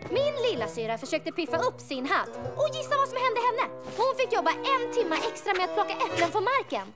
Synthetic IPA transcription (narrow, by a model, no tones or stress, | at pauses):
mɪnlɪlːasyːɾafœʂøːk̚t̪əpʰɪfːaɵpːsɪnɦat̪ːɔjɪsːavasɔmhɛnd̪əɦɛnːə | ɔhʊnfɪkːjɔbːaʔɛnt̪ʰɪmːaʔɛkst̪ɾamɛat̪̚pʰlɔkːaʔɛplənfɔmaɾkən